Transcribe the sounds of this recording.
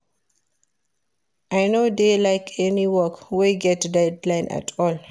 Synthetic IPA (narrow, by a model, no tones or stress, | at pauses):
ʔajnodelajkʰɛniwɔkwiɡɛtdɛdlãɪ̃nʔa̰tʰɔl